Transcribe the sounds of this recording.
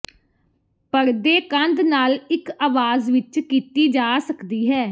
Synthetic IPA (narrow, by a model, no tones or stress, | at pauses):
pəɾd̪eːkənd̪naːlɪkaːʋaːzʋɪt͡ʃkiːt̪iːd͡ʒaːsəkd̪iːɦɛː